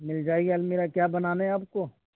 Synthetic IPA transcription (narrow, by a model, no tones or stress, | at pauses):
mɪld͡ʒaːeɡɐlmeːɾakjaːbɐnaːnaɛaːp̚ko